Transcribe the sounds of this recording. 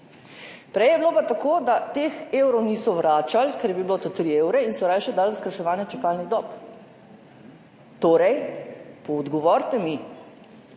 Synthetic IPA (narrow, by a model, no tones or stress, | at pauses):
pɾɛjɛblopat̪akoːd̪at̪exewɾɔwnisɔʋɾaːt͡ʃalkɛɾjɛbibilot̪ot̪ɾiewɾɛinsɔɾaːjʃɛd̪alʋskaʃɛʋaːnjɛt͡ʃɛkaːlniɣd̪ɔːp | t̪oːɾɛjpɔːd̪ɡɔʋɔɾt̪ɛmi